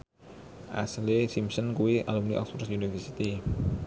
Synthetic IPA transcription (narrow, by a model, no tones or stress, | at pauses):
ʔa̰slesimsənkuwiʔa̰lumniʔɔ̰k̚sfɔrsunifərsit̪i